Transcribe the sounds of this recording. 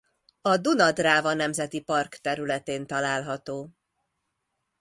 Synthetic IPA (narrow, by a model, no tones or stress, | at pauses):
ɒd̪unɒd̪raːvɒnɛmzɛt̪ipɒrkt̪ɛɾylɛt̪eːnt̪ɒlaːlɦɒt̪oː